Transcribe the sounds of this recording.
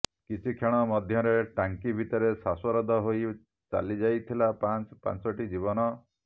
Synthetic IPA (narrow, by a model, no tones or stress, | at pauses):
kit͡ʃʰikʰeɭ̃ɔmɔd̪ʱjɔɾeʈaŋkibʱit̪ɔɾesaswɔɾɔd̪ʱɔɦoj | t͡ʃa̰lid͡ʒajt̪ʰilapant͡ʃpa̰nt͡ʃɔʈid͡ʒibɔnɔ